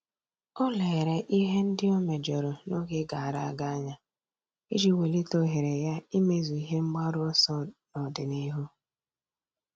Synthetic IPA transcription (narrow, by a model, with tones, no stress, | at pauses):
ɔ˦le˨e˨ɾe˨ʔi˦ɦe˦n̩˦dɪ˦o˦me˨d͡ʒɔ˨ɾʊ˨no˦ɡe˦ɡa˨a˨ɾa˨a˦ɡa˦a˦ɲa˦ | i˦d͡ʒi˨we˨li˦to˨ɦe˨ɾe˨ja˦i˦me˦zu˨i˦ɦe˦ŋ͡m̩˦ɡ͡ba˦ɾʊ˦ɔ˦sɔ˦nɔ˨dɪ˨ni˦ɦu˦